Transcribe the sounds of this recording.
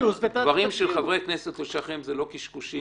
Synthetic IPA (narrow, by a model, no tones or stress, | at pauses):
vaʁimʃelχavʁekneset̪loʃaχemzelo̞kiʃkuʃi